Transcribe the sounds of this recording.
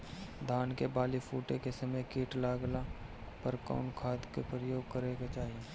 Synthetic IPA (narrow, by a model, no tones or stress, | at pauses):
d̪ʱaːnkebaːlifʰuːʈekesəməjkiːʈlaːɡla | pəɾka̰ːnkʰaːt̪kepɾəjoːɡ̚kəɾeːɡat͡ʃaːɦije